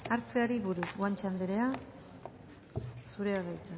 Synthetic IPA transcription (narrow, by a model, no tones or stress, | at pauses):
aɾt͡seaɾiβuɾuɣwant͡ʃand̪eɾe̞a | suɾe̞aðajt̪a